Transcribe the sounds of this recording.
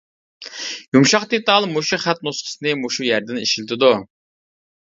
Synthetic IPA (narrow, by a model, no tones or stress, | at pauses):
jumʃɑχd̪et̪ɑlˠmoʃuχæt̪̚nosqʰə̥sɨnɨmoʃujæɾd̪ɪniʃilt̪ʰɪd̪u